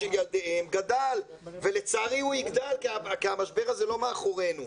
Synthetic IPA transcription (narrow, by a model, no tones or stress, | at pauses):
eljald̪eemɡad̪al | ve̞let͡saʁiuiɡd̪alkakiamaʃbe̞ʁazelo̞meaχoʁe̞nu